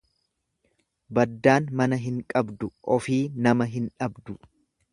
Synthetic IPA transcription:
bɐd̪ːaːnmɐnɐɦɪŋkʼɐbd̪ʊʔɔfiːnɐmɐɦɪnᶑɐbd̪ʊ

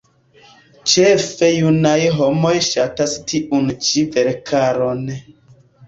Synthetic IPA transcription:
t͡ʃefejunajɦo̞mo̞jʃatastiʔunt͡ʃiveɾkʰaɾon

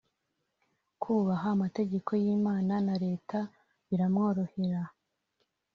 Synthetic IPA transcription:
kʰuːβaɦaːmate̞ɟe̞kʰo̞jiːmaːnanaɾe̞ːtʰa | βiɾamŋo̞ːɾo̞he̞ɾa

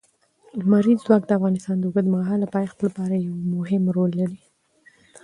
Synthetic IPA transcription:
lmaɾizwɑkd̪əafɣɑnɪst̪ɑnd̪əʊɡəd̪əmɑɦɑlːapɑjxt̪lapɑɾajawmʊɦɪmɾolːaɾi

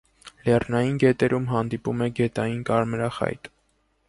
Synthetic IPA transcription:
lɛrnɑjinɡɛt̪ɛɾumɦɑn̪d̪ipumɛɡɛt̪ɑjinkɑɾmɾɑχɑ̰jt̪

